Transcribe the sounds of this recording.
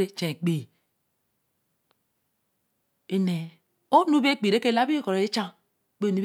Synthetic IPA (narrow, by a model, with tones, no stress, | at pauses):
ɾe˦t͡ʃẽ˨k͡pi˨ | e˨ne˨ | o˦nu˦be˦k͡pi˨ɾe˦ke˦la˦bi˦ko˨ɾe˨e˦t͡ʃa˦ŋ˦ | k͡pe˦˨nu˦b